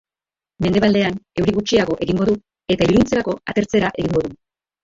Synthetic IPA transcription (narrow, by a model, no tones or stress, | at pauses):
me̞nd̪e̞ald̪e̞ane̞wɾiɣut͡ʃiaɣo̞ʔe̞ɣiŋɡo̞ðu | e̞t̪aiɾunt͡se̞ɾako̞a̰t̪e̞ɾt͡se̞ɾaʔeɣiŋɡo̞ðu